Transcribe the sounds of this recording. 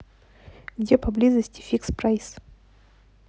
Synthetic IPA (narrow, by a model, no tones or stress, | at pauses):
ɡdʲepɐblʲizəsʲtʲɪ̥fʲikspɾajs